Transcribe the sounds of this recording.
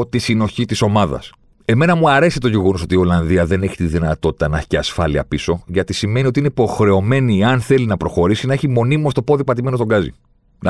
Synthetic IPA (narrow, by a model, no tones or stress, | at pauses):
t̪isino̞çit̪iso̞mɐðɐ̰s | e̞me̞nɐmuɐɾe̞sit̪o̞ʝeɣo̞noso̞t̪io̞lɐnðiɐðe̞ne̞çi̥t̪iðinɐt̪o̞t̪i̥t̪ɐnɐçi̥ceɐsfɐliɐ̰piso̞ʝɐt̪isime̞niot̪iineipo̞xɾe̞o̞me̞niɐnθe̞linɐpɾo̞xo̞ɾisinɐeçimo̞nimost̪o̞po̞ðipɐt̪̬ime̞not̪o̞ɡɐzḭ | n